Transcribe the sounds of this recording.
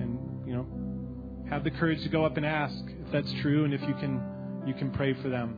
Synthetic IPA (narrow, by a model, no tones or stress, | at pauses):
ɨ̃n | jɨnoʊ | hɨvðɨkʰɜ˞ɨd̥ʒ̥tʰɨɡoʊʌpɨ̃næskɨfðætstʰɹ̥ʉɨ̃nɨfjɨkʰɨ̃n | jɨkʰɨ̃n̩pʰɹ̥eɪfə˞ðɨ̃m